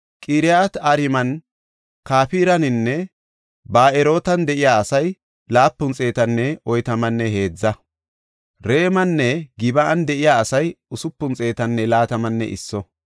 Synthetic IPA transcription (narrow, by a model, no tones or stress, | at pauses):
kʼiːɾɪjat̪aɾɪmɐn | kaːfiːɾɐnɪnːɛ | baːɛɾo̞ːt̪ɐnd̪ɛʔɪjaːɐsɐj | laːpːʊnt͡sʼe̞ːt̪ɐnːɛɔjt̪ɐmɐnːɛhe̞ːd͡zːɐ | ɾe̞ːmɐnːɛɡɪbɐʔɐnd̪ɛʔɪjaːɐsɐjʊsʊpːʊnt͡sʼe̞ːt̪ɐnːɛlaːt̪ɐmɐnːɛ̰ʔɪ̰sːɔ